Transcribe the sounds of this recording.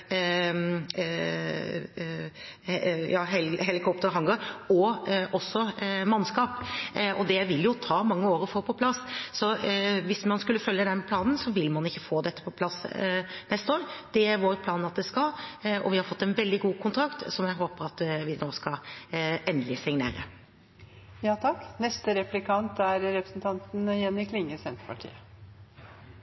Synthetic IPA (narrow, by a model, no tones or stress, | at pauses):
jɑːɦɛlhɛlɪkʰɔpt̪əɾɦɑŋɡɔɾɔʔɔsːɔmɑnːskɑːpʔɔd̪ɛʋɪljʊt̪ʰɑːmɑŋːəoːɾɔfɔːɾpʰɔpʰlɑsːɔʋɪsmɑnskʉlːəfœljəd̪ɛnpʰlɑːnn̩sɔʋɪlmɑnɪçːəfoːd̪ɛt̪ːə̥pʰɔpʰlɑsnɛst̪əoːɾd̪̥ɛʋɑɾpʰlɑːnɑt̪̚d̪ɛskɑlɔ̰ʋɪhɑɾfɔt̪ːɛnʋɛld̪ɪɡuːkʰʊnt̪ʰɾɑkt̪sɔmjæɪɦoːpəɾɑt̪ʋɪnoːskɑɛnd̪lɪsɪŋnḛːɾə̰ | jɑːt̪ʰɑknɛst̪əɾɛplɪkʰɑnt̪æɾɾɛpɾəsn̩t̪ʰɑnt̪n̩jɛnːɪkʰlɪŋːəsɛnt̪ə̥pʰɑʈʰḭːə